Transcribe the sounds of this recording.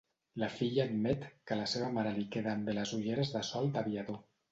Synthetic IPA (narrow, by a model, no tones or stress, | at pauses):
lafiʎaːd̪mɛt̪kəlaseβamaɾalikeðamd̪elazuʎeɾezðasɔlˠd̪aβiaðo